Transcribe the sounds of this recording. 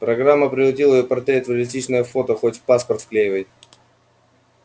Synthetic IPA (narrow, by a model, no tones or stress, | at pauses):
pɾɐɡɾamːəpɾʲɪlˠɐtʲilˠəɪjopɐrt̪ɾʲet̪vəlʲɪsʲtʲit͡ɕnəjəfo̞t̪əxotʲpaspərt̪fklʲejvəj